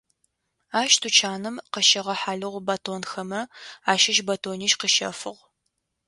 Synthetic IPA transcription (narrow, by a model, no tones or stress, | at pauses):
aːʃtʰut͡ʃʰaːnɨmqəʃɐʁɐħaːɮɨʁʷbatʰoːnxɐmɐaːʃɪʃbɐtʰoːniːʃqəʃɐ̰fɨʁ